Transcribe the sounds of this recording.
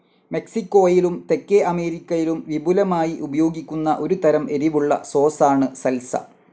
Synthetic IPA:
me̞ksikːo̞ːjilumt̪e̞kːeʔɐme̞ːɾikʲːɐjilumʋibulɐmaːjiʔubɐjo̞ːɡikʲːunːɐʔo̞ɾut̪ɐɾɐmʔe̞ɾiʋuɭːɐ̰so̞ːsaːɳɨsɐlsɐ̰

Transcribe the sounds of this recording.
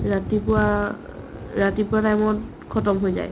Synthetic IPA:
ɹatipʊa | ɹatipʊatajmɔn | kʰɔtɔmɦojza̰j

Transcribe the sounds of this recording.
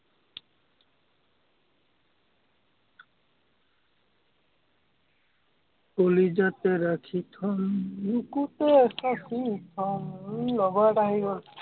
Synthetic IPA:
kolid͡ʒat̪ɛɾakʰit̪ʰɔnnukut̪esasit̪ʰɔnlɔɡaʈaɦibɔn

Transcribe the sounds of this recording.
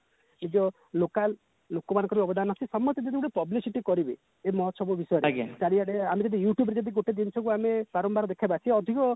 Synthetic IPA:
nid͡ʒɔ | lokalː | okɔmanɔ̃ŋkɔɾbiɔbɔd̪ʱanasisɔmːɔt̪jɔd͡ʒ̪ɔd̪iuɽepɔblisiʈikɔɾibe | emɔɦɔt̪ɔsʰɔbubisɔjɔɾḛd͡ʒaɽiaɽeamed͡ʒɔd̪ijuʈjubeɾed͡ʒɔd̪iɡoʈed̪int͡ʃʰɔŋk̬uamepaɾɔmbaɾɔd̪ekʰabat͡ʃʰiɔd̪ʱikɔ

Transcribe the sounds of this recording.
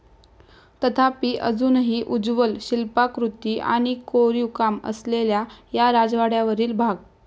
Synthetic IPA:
t̪ət̪ʰapiːʔəd͡zuːnɦiːʔud͡zʋəlɕilpakɾut̪iːʔa̰ɽ̃ikoɾikamə̰sleljajaɾad͡zʋaɽjaʋəɾiːlbʱaɡ

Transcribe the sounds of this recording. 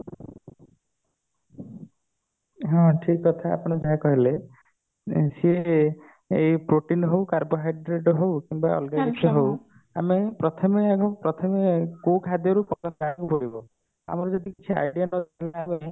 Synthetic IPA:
ɦɔ̃ʈʰikːɔt̪ʰaa̰pɔɽ̃ɔd͡ʒaɦakɔɦile | sie | epɾoʈinɦowkaɾboɦajɖɾeɖɦowkimbaɔ̰lɡaniksɦow | a̰mepɾɔt̪ʰɔmeakɔpɾɔt̪ʰɔmekukɦad̪jɔɾupɔkasnakupɔɾibɔ | a̰mɔɾud͡ʒɔd̪ikit͡ʃʰia̰jɖianɔiabe

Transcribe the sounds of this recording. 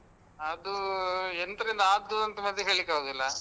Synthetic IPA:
ɐd̪uent̪ɐɾind̪ɐaːd̪ːuɐnt̪ɐmɐd̪jɐɦeːɭikːaɦoːd̪ilːɐ

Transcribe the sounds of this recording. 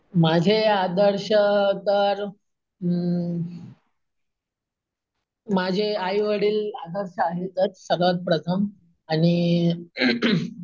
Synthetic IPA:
mad͡ʑʱead̪əɾɕət̪əɾ | mad͡ʑʱeajʋəɽiːlad̪əɾɕəaɦet̪ət̪səɾʋət̪̚pɾət̪ʰəm | añi

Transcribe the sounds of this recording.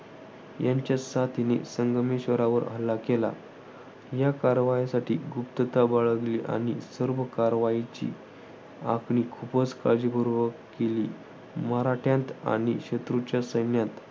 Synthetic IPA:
jaɲt͡ɕjasat̪inḛsəŋɡəmeɕʋəɾaʋəɾə̰lːakela̰ | jakaɾʋajasaʈʰiːɡupt̪ət̪abaɭəɡliʔa̰ɽ̃isəɾʋəkaɾʋait͡ɕḭː | akʰɳikʰupət͡skad͡ʑibʱəɾobəkeliː | məɾaʈʰjãnt̪a̰ɽ̃iɕet̪ɾut͡ɕjasəjnjãt̪

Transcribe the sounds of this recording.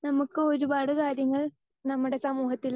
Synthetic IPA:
nɐmukːɨo̞ɾubaːɽɨkaːɾjɐŋːɐɭ | nɐmːuɽe̞sɐmuːɦɐt̪ːil

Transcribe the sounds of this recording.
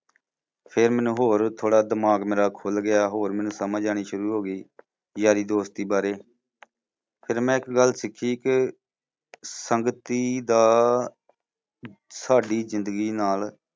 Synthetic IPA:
pʰɪɾmɛːnũːɦoːɾt̪ʰoːɽaːd̪əmaːɡmeːɾaːkʰoːlɡɪjaːɦoːɾmɛːnũːsəmãːd͡ʒaːɽ̃iːʃʊɾuːɦoːɡiː | jaːɾiːd̪oːst̪iːbaːɾeː | pʰɪɾmɛ̃ːɪkɡəlːsɪkʰːiːkɪ | səŋɡət̪iːd̪aː | saːɖiːzɪ̃nd̪əɡiːnaːl

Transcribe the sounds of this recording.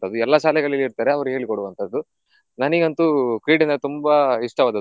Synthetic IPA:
t̪ʰɐd̪uɛlːɐʃaːlɛɡɐɭɐlːiɾt̪aːɾeɐʋɐɾuɦe̞ːɭikoɽuʋɐnt̪ʰɐd̪ːu | nɐniɡɐnt̪ukɾiːɖind̪ɐt̪umbɐiʂʈɐʋaːd̪ɐ

